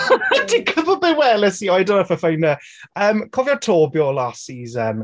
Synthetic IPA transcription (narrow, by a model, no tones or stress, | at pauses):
dikʰəbəbɛwɛːləsiːɔjdõnafəfajnə | əːmkʰɔvjɔtʰoːbjɔːlaːsiːzən